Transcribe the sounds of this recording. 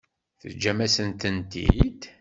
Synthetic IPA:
θə̰d͡ʒːæmæsənt̪ənt̪ḭd̪

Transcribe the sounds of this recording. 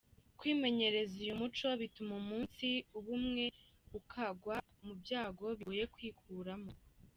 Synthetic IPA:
kwiːme̞ɲe̞ɾe̞zujumut͡ʃo̞βitumomuːnsiuβumŋe̞ | βukʰaɡwa | mubjaːɡo̞βije̞kwiːkʰuːɾamo̞

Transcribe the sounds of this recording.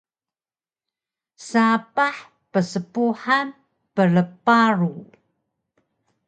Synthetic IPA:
sapaħ | pəsəpuħan | pələpaɾu

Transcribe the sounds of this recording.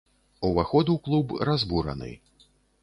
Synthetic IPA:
uvaxɔd̪uwklˠubrazbuɾɐ̰nɨ̰

